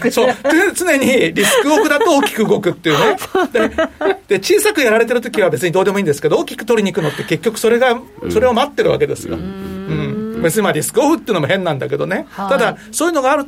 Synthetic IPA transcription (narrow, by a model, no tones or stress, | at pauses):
so̞ːt͡sɨne̞ɲ̟iɾʲisɨ̥kɯ̟oɸɯ̟d̪at̪o̞oːkʲi̥kɯ̟ɯɡo̞kɯ̟t̪ːeiɯ̟ːne̞d̪ed̪̥e̞t͡ɕiːsakɯ̟jaɾaɾe̞t̪eɾɯ̟t̪okʲiβabe̞t͡sɨɲ̟id̪o̞ːd̪e̞moiːnd̪e̞sɨ̥ked̪ooːkʲi̥kɯ̟̥t̪o̞ɾʲiɲ̟ikɯ̟not̪ːe̞ke̞kʲːo̞kɯ̟̥so̞ɾe̞ɡa | so̞ɾe̞o̞mat̪ːe̞ɾɯ̟βa̰ke̞d̪e̞̰sɨjo̰ɯ̟̃ɴbe̞t͡sɨɲ̟imaɾʲisɨ̥kɯ̟oɸɯ̟t̪ːeɯ̟nooɦẽ̞nːãnd̪a̰ke̞d̪o̞̰ne̞t̪ad̪aso̞ːjɯ̟no̞ɡaːɾɯ̟